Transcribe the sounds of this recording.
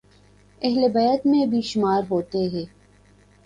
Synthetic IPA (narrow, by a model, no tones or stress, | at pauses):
ɛɦlebɐjət̪mẽbʱiʃʊmaːɾɦoːt̪eɦɛː